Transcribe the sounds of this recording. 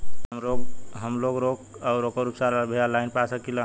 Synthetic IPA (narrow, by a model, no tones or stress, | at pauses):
əmɾokɦəmloɡɾokaʊɾokəɾupsaɾabʱealaɪnpasəkilã